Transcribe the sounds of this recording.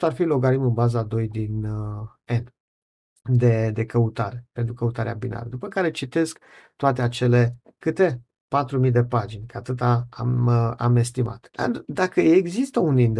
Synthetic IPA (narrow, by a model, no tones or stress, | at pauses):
arfilo̞ɡaɾimɨnbazad̪o̞jd̪in | en | d̪e̞d̪e̞kəut̪aɾe̞pe̞nt̪ɾukəut̪aɾea̰bina̰ɾəd̪upəkaɾe̞t͡ʃit̪e̞sk | t̪oat̪e̞at͡ʃe̞le̞ | kɨt̪e̞ | pat̪ɾumid̪e̞pad͡ʒinʲkəat̪ɨt̪ama̰me̞st̪ima̰t̪d̪a̰d̪akəeɡzist̪əunind̪